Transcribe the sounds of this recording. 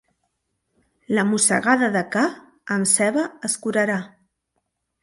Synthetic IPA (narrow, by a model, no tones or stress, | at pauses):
ləmusə̰ɣaðəðəka | əmsɛβəəskuɾəɾa